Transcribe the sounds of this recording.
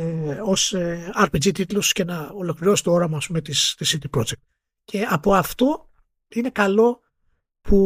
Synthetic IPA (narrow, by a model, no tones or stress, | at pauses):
o̞seɐɾped͡ʒit̪it̪losce̞nɐolo̞kliɾo̞si̥t̪oo̞ɾɐmɐːspume̞t̪ist̪isit̪ipɾo̞d͡ʒek̚t̪̚ | cʰe̞ɐpo̞ɐft̪o̞ | ine̞kɐlo̞ | pʰu